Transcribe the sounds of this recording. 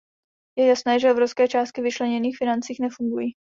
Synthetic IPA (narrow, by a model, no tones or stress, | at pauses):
jɛjasnɛːʒɛvɾoskɛːt͡ʃaːst̪kɪvɪt͡ʃlɛɲɛniːxfɪnant͡siːxnɛfuŋɡuji